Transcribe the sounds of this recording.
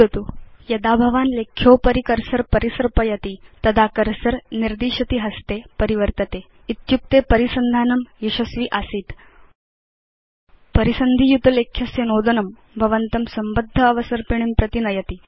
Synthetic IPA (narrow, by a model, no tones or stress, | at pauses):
ət̪uːjɐd̪abʱɐʋanlekʰjoːpəɾikəɾsəɾpəɾisəɾpɐjɐt̪it̪ɐd̪ʱakəɾsəɾniɾd̪iːɕɐt̪iːɦɐst̪epəɾiʋəɾt̪ɐt̪e | it̪jup̚t̪epəɾisənd̪ʱaːnɐmjiɕɐsʋiːʔasiːt̪ | pəɾisənd̪ʱijut̪lekʰjɐsjenoːd̪ɐnɐm | bʱɐʋənt̪ɐmsɐmbəd̪ʱːəːʋəsəɾpiɳ̃impɾɐt̪inɐjɐt̪iː